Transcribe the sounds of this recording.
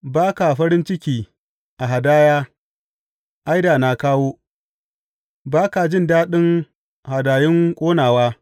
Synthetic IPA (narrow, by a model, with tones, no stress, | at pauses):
baː˦ka˨ɸɐ˦ɾɪ˦nt͡ʃɪ˦kʲiː˨ | ʔa˨ɦa˨daː˦jaː˦ | ʔa˦jdaː˨na˨kaː˦woː˦ | baː˦ka˨d͡ʒɪ˦ndaː˦ɗɪ˦ŋ | ha˨daː˨jɪ˦ŋkʷʼoː˦naː˨waː˦